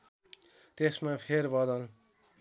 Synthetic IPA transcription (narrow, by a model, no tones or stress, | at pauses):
t̪esmapʰeɾbʌd̪ʌl